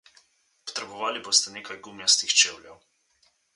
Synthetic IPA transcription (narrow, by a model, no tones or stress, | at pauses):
pɔ̥t̪ɾɛbɔʋaːliboːst̪ɛneːkajɡumjast̪ixt͡ʃeːwlʲjɛw